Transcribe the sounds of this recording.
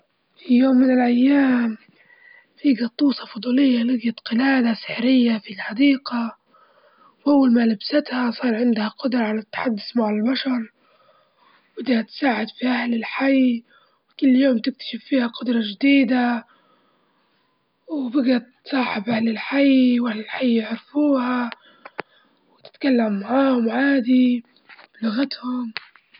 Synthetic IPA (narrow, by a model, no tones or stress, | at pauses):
fijoːmːɪnɪlʔajːaːm | fiɡɑt̪ˤːuːsˤɑfʊd̪ˤuːlɪjːalɪɡjat̪qɪlaːd̪asɪ̥ħɾɪjːafilħɑd̪iːqa | wʔawːalmalabsɪt̪hasˤɑːɾˤʕɪnd̪haqʊd̪ɾˤɑʕalat̪ːḁħad̪ːʊsmaʕalalbaʃɑɾˤ | bɪd̪hat̪saːʕɪd̪fiʔahlɪlħaj | wkʊlːjoːmt̪ɪk̚t̪ḁʃɪfːiːhaqʊd̪ɾˤɑʒd̪iːd̪a | wbɪɡat̪sˤɑːħɪbʔahlɪlħajwʔahlɪlħajːɪʕɾfuːha | wɪt̪ɪ̥t̪kalːamːaʕaːhʊmʕaːd̪i | bɪlʊɣat̪hʊm